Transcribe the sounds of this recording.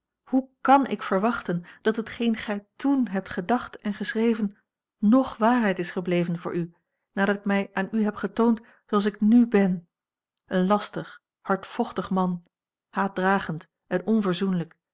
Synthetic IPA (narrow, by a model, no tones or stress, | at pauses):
hukɑnɪ̰kfəɹʋɑχtənd̥ɑtɦətχejnχɛjtunɦɛp̚tχədɑχtɛnχəsrejvən | nɔχʋaːɹɦɛjtɪsχəblejvənvʊ̰ːɹʔy | naːdɑtɪkmɛjʔaːnyɦɛpχətownt | soɑlˠs̬ɪknybɛn | ʔənlɑstəχ | hɑɹtfɔχtəχmɑn | haːt̚draːχənt | ɛnɔnvəɹzunələk